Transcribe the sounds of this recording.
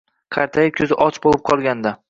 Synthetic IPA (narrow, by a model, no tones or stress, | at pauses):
qʰɑɾt̪ʰajɪkʲʰɵzɪʔɒt͡ʃbolˠɪp̚qʰɒlˠɡʲand̪a